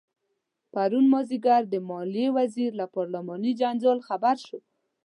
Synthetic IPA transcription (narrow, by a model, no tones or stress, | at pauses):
paɾunmɔziɡaɾd̪əmɔlijewaziɾlapɔɾlamɔnid͡ʒand͡ʒɑlxabaɾʃo